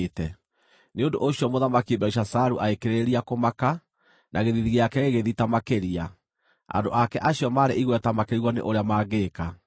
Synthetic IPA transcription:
tɛ | neondo̰ʔoɕiɔmoðamakibɛuʃasaɾuʔaekeɾeɾiakomaka | nʔaɣeðiðiɣeakɛɣeɣeðitamakeɾia | a̰ndo̰ʔakɛʔaɕiɔmaːɾeʔiɣwɛtamakeɾiɣwɔnḛʔoɾeamaːɣeːka

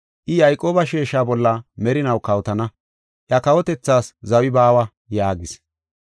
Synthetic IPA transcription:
ʔɪjɐjkʼo̞ːbɐʃeːʃaːbɔlːɐmɛɾɪnɐwkɐwt̪ɐnɐ | ʔjɐkɐwɔt̪ɛt͡sːaːszɐwɪbaːwɐ | jaːɡɪs

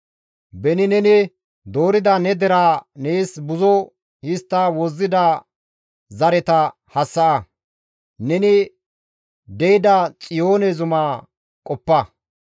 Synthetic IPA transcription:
bɛnɪnɛnɪ | d̪o̞ːɾɪd̪ɐnɛd̪ɛɾaːneːsbʊzɔ | hɪst̪ːawɔzːɪd̪ɐ | zɐɾɛt̪ɐ | hɐsːɐʔɐ | nɛnɪ | d̪ɛjɪd̪ɐt͡sʼɪjo̞ːnɛzʊmaː | kʼɔpːɐ

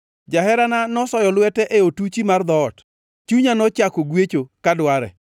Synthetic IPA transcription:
d͡ʒaɦɛɾananɔsɔjɔlwɛtɛʔeotut͡ʃimard̪ɔːt | t͡ʃuɲanɔt͡ʃakɔɡwet͡ʃokadwaɾɛ̰

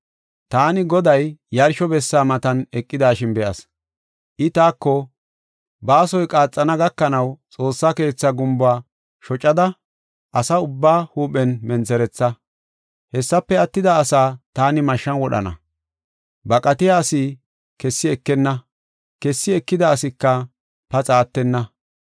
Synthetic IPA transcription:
t̪aːnɪɡɔd̪ɐjjːɐɾʃɔbɛsːaːmɐt̪ɐnɛkʼːɪd̪aːʃɪnbɛʔɐ̰s | ʔɪt̪aːkːɔ | baːsɔjkʼaːt͡sʼːɐnɐɡɐkːɐnɐwt͡sʼo̞ːsːɐke̞ːt͡sːɐɡʊmbaː | ʃɔt͡ʃʼːɐd̪ɐ | ʔɐsɐʊbːaːhuːpɛnmɛnt͡sɛɾɛt͡sːɐ | hɛsːɐpːɛɐt̪ːɪd̪ɐːsaːt̪aːnɪmɐʃːɐnwɔɗɐ̰nɐ̰ | bɐkʼɐt̪ɪjaːsi | kɛsːɪɛkːɛnːɐ | kɛsːɪɛkːɪd̪ɐːsɪkːɐ | pɐt͡sʼaːt̪ːɛnːɐ

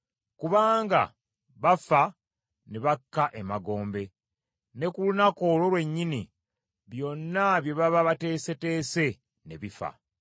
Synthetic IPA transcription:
kuβaːŋɡa̰ | βafa | neβakːaʔe̞maɡo̞ːmbe̞ | ne̞kulunakolo̞lwe̞ɲːini | βjo̞nːaβje̞βaβaβate̞ːse̞te̞ːse̞ | ne̞̰βifa̰

